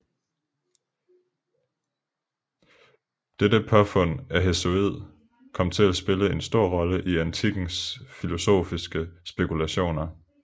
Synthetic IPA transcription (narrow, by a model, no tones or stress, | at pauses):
d̥edəpʰɒfɔ̽n̰æɦeso̝ið̞̰ˠ | kʰɒ̽m̰t͡sʰe̝læsb̥e̝ləe̝nsd̥o̝ɐ̰ʁɒ̽ləʔiænt͡sʰiɡ̥n̩sfilo̝so̝̰ːfisɡ̥əsb̥e̝kʰulæɕo̝̰ːnɐ